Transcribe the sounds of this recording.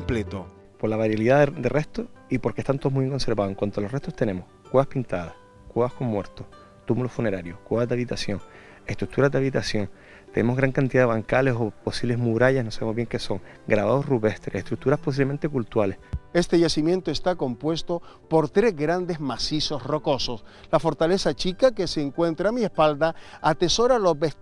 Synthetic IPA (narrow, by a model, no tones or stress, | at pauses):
mplet̪o | po̞ɾlaβaɾjaliðaðd̪erʔeht̪oipo̞ɾkeht̪ant̪omuiβjeŋkonse̞ɾβaðoeŋkwant̪olo̞re̞ht̪oht̪e̞ne̞mohkweβahpint̪aðah | kweβahko̞ŋmwe̞ɾt̪oh | t̪umulofune̞ɾaɾjohkweβad̪aβit̪asjo̞ŋ | e̞ht̪ɾuk̚t̪uɾad̪aβit̪asjõ̞ŋ | t̪enemo̞ɦɣɾaŋkant̪iðaðeβaŋkale̞so̞po̞siβleɦmuɾaʎahno̞saβemoβje̞ŋke̞so̞ŋ | ɡɾaβaðohruβeht̪ɾeeht̪ɾuk̚t̪uɾahpos̬iβleẽnt̪e̞kult̪ualehe̞st̪e̞ʝasimje̞nt̪oest̪ako̞mpwe̞st̪o | po̞ɾt̪ɾe̞zɡɾand̪e̞zmasiso̞sro̞ko̞sos | lafoɾt̪ale̞sat͡ʃikake̞seːŋkwe̞nt̪ɾaːmiespald̪aat̪e̞so̞ɾaːlo̞zbe